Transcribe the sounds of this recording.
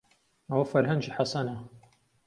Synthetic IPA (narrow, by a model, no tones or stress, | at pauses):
ɐwɐfɐɾɦɐnd͡ʒiħasɐna